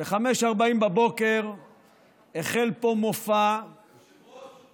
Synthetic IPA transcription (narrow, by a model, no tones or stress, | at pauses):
beχame̞ʃaʁbaimbabo̞ke̞ʁ | eχe̞lpo̞mofa